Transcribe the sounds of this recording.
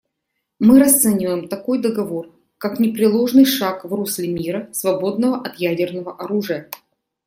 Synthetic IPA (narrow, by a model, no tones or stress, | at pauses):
mɨɾɐst̪sɛnʲɪvəjɪmt̪ɐko̞jd̪əɡɐvo̞r | kaknʲɪpɾʲɪlˠo̞ʐnɨjʂakvrusʲlʲɪmʲiɾəsvɐbo̞d̪nəvəʔɐt̪jædʲɪrnəvəʔɐɾuʐɨjə